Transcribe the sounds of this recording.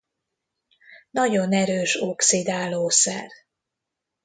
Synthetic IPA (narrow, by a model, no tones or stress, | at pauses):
nɒɟo̞nɛɾøːʃo̞ksid̪aːloːsɛ̰r